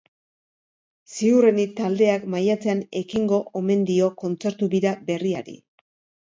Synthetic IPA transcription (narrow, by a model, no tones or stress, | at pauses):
siurenit̪ald̪e̞akmajat͡se̞ane̞kiŋɡo̞ʔome̞nd̪io̞ko̞nt͡se̞ɾt̪uβiɾabe̞riaɾḭ